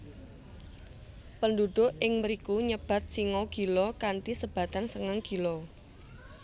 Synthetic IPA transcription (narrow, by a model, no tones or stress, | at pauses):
pənduɖ̥ʊ̤ʔɪŋməɾikuɲəb̥a̤t̪̚siŋɔɡ̥i̤lɔkant̪isəb̥ä̤t̪ansəŋaŋɡ̥ilɔ